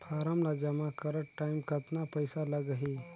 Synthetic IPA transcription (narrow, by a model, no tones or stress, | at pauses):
pʰaːɾamlad͡ʒɐmakəɾəʈʈːaimkət̪napəjsaləɡəɦi